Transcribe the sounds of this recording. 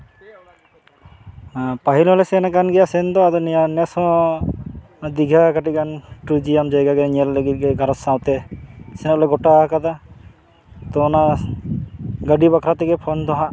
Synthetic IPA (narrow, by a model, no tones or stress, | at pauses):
paɦilɦɔlɛsɛnɛkanɡɛjasɛnd̪ɔad̪ɔnɛjanɛsɔ̃ | d̪iɡʱakaʈikanʈud͡ʒiamd͡ʒajɡaɡɛɲɛlːləɡit̪̚ɡɛɡʱaɾɔt̪sãwt̪ɛsɛnɛklɛɡɔʈakad̪a | t̪ɔːna | ɡəɖibakʰɾat̪ɛɡɛpʰɔnd̪ɔɦa